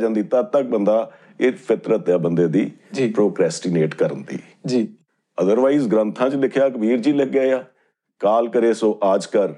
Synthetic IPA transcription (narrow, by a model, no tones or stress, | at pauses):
d͡ʒãːnd̪iːt̪əb̚t̪ək̚bənd̪aː | ɪpʰɪt̪ɾət̪jaːbənd̪eːd̪iːd͡ʒipɾoːkɾɛːsʈiːneːʈkəɾənt̪ḭː | d͡ʒiː | əd̪əɾʋaːiːzɡɾə̃nt̪ʰãːt͡ʃlɪkʰjaːkəbiːɾd͡ʒiːləkːaːjaː | kaːlkəɾeːsõːʔaːd͡ʒkəɾ